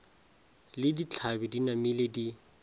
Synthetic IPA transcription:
lɪdit͡ɬʰabɪdinamiledi

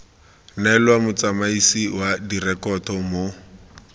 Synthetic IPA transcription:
naɛlwamʊt͡samaisiwadirɛkɔtɔmo

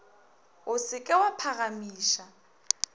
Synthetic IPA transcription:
ʊsɪkʼɛwapʰaɣamiːʃa

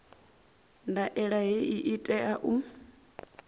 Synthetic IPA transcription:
ndaʔɛɺaɦiʔiʔitʼɛʔaʔu

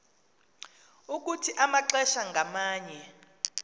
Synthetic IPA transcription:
uk̬ʼutʰiʔamaǁɛʃaŋɡʱamaːɲɛ

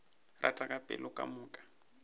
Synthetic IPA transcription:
ra̰tʼakʼapʼɛ̰lʊkʼa̰mʊːkʼḁ

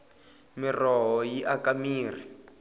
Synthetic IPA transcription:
mirɔɦɔjiʔakamiːri

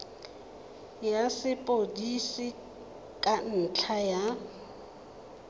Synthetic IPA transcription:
jasɪpʼodisɪ | kʼan̩t͡ɬʰaja

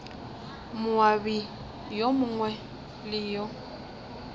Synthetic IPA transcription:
mʊabi | jomʊŋwɛ | lɪjɔ

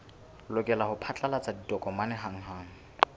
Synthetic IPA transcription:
lʊkʼɛlahʊpʰat͡ɬʼalat͡sʼadidɔkʼɔmanɛɦaŋ̩ɦaːŋ̩

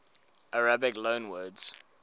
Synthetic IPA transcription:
ʔaɹabɪklõʊ̃nwɜːdz̥

